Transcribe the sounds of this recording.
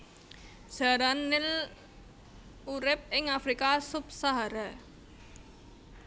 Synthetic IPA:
ʒ̥aɾanːɪl | uɾɪp̚ɪŋafɾikasubsaɦaɾa

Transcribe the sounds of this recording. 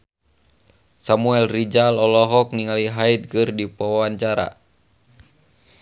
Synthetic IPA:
samuɛlrid͡ʒalɔlɔɦɔk̚niŋaliɦait̪̚kɨrdipɔwawaɲt͡ʃaɾa̰

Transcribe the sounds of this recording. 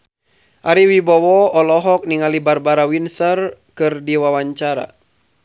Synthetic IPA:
ʔaɾiwibɔwɔɔlɔɦɔk̚niŋalibarbaɾawinsərkɨrdiwawaɲt͡ʃaɾa̰

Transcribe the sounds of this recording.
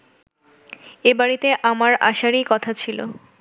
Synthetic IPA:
ebaɾit̪eʔamaɾa̰ʃaɾikɔt̪ʰat͡ɕʰilo̰

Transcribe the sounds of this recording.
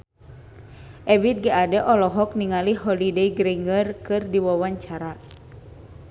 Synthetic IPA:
ʔɛbit̪̚ɡiʔadɛʔɔlɔɦɔk̚niŋaliɦɔlideiɡɾiŋərkɨrdiwawaɲt͡ʃaɾa

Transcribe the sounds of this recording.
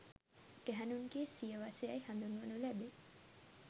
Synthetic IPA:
ɡ̥æɦænuŋɡeːsiəʋasejɐjhand̪unuʋənulæbe

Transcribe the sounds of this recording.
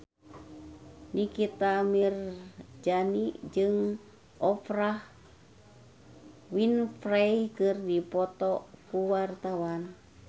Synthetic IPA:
nikit̪amird͡ʒanid͡ʒɨŋ | ʔɔfɾah | winfrajkɨrdipɔt̪ɔkuwart̪awan

